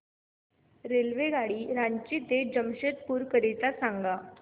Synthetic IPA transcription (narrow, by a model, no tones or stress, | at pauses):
ɾelʋeɡaɽiːɾaɲt͡ɕit̪ed͡ʑəmɕet̪̚puːɾkəɾit̪asaŋɡa